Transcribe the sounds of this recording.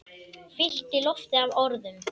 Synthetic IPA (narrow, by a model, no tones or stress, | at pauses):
fɪl̥t̪ɪlɔft̪ɪavɔɾðʏm